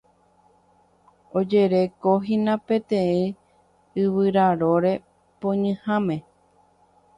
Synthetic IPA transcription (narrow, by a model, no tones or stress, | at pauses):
od͡ʒeɾe̞koɦĩnãpẽ̞t̪ẽĩ | ɨβɨɾaɾoɾe̞ | põɲɨ̃hãmẽ